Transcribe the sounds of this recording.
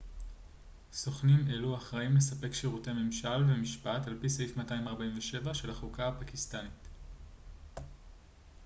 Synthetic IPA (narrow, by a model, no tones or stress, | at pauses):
so̞χnime̞luaχʁaimle̞sape̞kʃiʁute̞me̞mʃalvemiʃpatalpiseifmataimaʁbaiɱveʃe̞vaʃe̞lhaχukahapakistanit